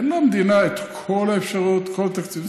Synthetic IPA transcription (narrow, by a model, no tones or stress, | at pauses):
nlamd̪inaet̪kʰolaefʃaʁut̪kʰolat̪akt͡siv